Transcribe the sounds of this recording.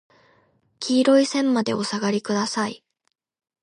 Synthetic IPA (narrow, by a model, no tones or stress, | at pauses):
kʲʰiːɾo̞isẽ̞mːad̪e̞̰o̞saɡaɾʲikɯ̟d̪asai